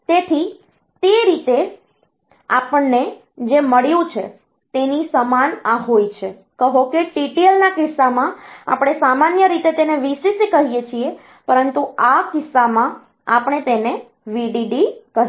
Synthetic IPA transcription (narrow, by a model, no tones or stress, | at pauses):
t̪et̪ʰi | t̪eɾit̪e | apəɳːe | d͡ʒeməɭjũt͡ʃʰḛ | t̪enĩsəmanaɦojt͡ʃʰe | kəɦokeʈiʈielnakɪsːamãa̰pɽ̃esamanjəɾit̪et̪eneʋisisikəɦijet͡ʃʰie | pəɾənt̪uakɪsːamã | apəɳ̃et̪ene | ʋiɖiɖikəɾ